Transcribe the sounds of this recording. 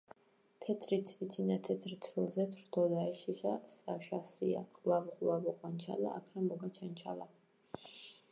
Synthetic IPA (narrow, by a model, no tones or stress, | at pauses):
t̪ʰɛt̪ʰɾit̪ʰɾit̪ʰinat̪ʰɛt̪ʰɾit̪ʰɾilzɛt̪ʰɾd̪ʰɔd̪aɛʃisasaʃasia̰kʰwavχʼwavɔqʼwant͡ʃʰa̰la̰ːkʰɾamɔɡat͡ʃʰant͡ʃʰala